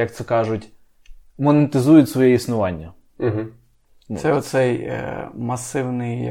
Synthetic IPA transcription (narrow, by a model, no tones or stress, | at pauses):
jɐk̚t̪sɛkɑʒʊtʲ | mɔnet̪ɪzujʊtʲsʋɔjɛisnʊʋɑnʲːɐ | ɦ̩̪ | sɛɔt̪sɛj̰mɐsɪwnɪj